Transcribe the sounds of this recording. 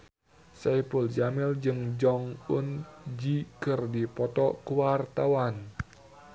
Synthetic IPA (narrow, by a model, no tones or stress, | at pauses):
sapuld͡ʒamild͡ʒɨŋd͡ʒɔŋund͡ʒikɨrdipɔt̪ɔkuwart̪awan